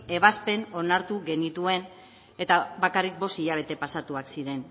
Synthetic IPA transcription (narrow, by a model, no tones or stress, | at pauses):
e̞β̞aspe̞no̞naɾt̪uɣe̞nit̪ue̞n | e̞t̪aβakarik̚bo̞siʎaβ̞e̞t̪e̞pasat̪uaksiɾe̞n